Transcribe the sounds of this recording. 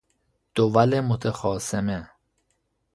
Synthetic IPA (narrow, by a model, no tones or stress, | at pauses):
d̪̥ovælemot̪ʰexɒːseme